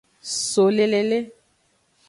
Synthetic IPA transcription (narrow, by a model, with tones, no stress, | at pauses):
so˨le˦˨le˨le˦